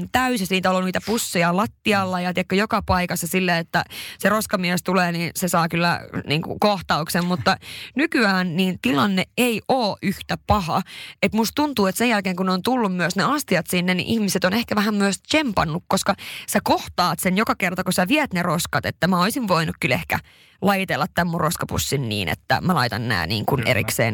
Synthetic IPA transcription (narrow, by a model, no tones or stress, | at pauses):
nt̪æysisiːt̪æoloniːt̪æpusːijɑlɑt̪ːiɑlːɑjɑt̪iækːøjokɑpɑikɑsːɑsilːeet̪ːæ̰seroskɑmiæst̪uleːniːnsesɑːkylːæ̰nḭːŋkṵkoht̪ɑuksemmut̪ːɑnykyæːnniːnt̪ilɑnːeeiʔoːʔyht̪æpɑhɑ̰et̪must̪unt̪uːet̪sejjælkeːŋkunneoːnt̪ulːummyøsneɑst̪iɑt̪sinːenḭʔihmiset̪onehkæʋæhæmmyøst͡ʃempɑnːukkoskɑsækoht̪ɑːt̪senjokɑkert̪ɑkusæʋiæt̪neroskɑt̪et̪ːæmæoisiʋʋoinukkylehkæ̰ | lɑjit̪elːɑt̪ːæmːurroskɑpṵsːinnḭːnʔḛt̪ːæ̰mælɑit̪ɑnnæ̰ːnḭːŋkunḛḭksḛːn